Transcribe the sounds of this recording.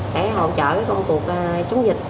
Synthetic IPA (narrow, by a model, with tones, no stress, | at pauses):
ɗɛ̰˧˥ɦə̰˧˨wt͡ɕə̰ː˧˨vəː˨˦jkə˧wŋ͡mku˨˩ək̚t͡ɕə˨˦wŋ͡mzï˨˩k̚